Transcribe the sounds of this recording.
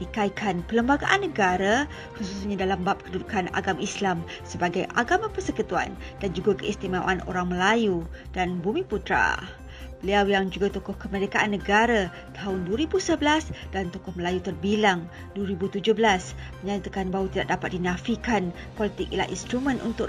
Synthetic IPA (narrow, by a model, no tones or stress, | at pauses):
ikaikʰanpələmbaɡaʔanːəɡaɾa | kususɲãdalambap̚kədudukana̰ɡamaislam | səbaɡajʔa̰ɡamapərsəkut̪ua̰n | d̥and͡ʒuɡakəist̪imawa̰no̰ɾaŋməlaju | d̥anbumĩput̪ɾa̰ | b̥əliawjaŋd͡ʒuɡat̪ɔkʊhkəməɾekaʔanːəɡaɾa | t̪aɦʊnduəɾibusəbəlasd̥ant̪ɔkʊhməlajut̪ərbilaŋ | duwəɾibut̪ud͡ʒʊhbəlas | məɲãt̪akanbaɦut̪ida̰ʔ̚dapat̪̚dinafikan | pɔlit̪ɪkila̰hʔḭnst̪ɾumə̃nṵnt̪ʊ